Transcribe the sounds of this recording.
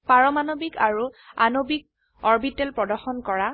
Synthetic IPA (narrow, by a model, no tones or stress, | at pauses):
paɹɔmanobikaɹua̰nobik̚ | ɔɹbitɛlpɹɔdɔɹxɔnkɔɹa